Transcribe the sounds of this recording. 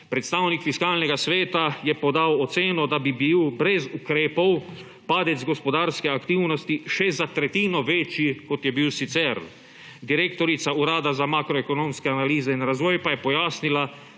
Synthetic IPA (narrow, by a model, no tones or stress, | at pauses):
pɾɛt̪st̪aːwnikfiskaːlnɛɡasʋeːt̪ajɛpɔd̪awɔt̪seːnɔd̪abibiːwbɾɛzukɾeːpɔw | paːd̪ɛd̪zɡɔspɔd̪aːɾskɛakt̪iwnɔst̪iʃɛzat̪ɾɛt̪iːnɔʋet͡ʃikɔt̪jɛbiwsit̪sɛɾ | d̪iɾeːkt̪ɔɾit̪sauɾaːd̪azamaːkɾɔɛkɔnomskɛanaliːzɛinɾazʋɔːjpajɛpɔjaːsnila